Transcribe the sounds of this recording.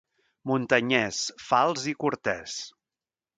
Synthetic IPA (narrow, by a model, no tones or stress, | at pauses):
munt̪əɲɛsfalˠzikuɾt̪ɛs